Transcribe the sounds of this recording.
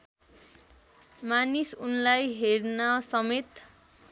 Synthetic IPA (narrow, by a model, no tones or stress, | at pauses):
manisunlajɦernasʌmet̪